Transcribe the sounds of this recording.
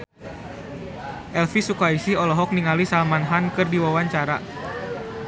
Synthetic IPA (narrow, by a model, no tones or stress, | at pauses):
ʔɛlfisukaisihɔlɔɦɔk̚niŋalisalmanɦankɨrdiwawaɲt͡ʃaɾa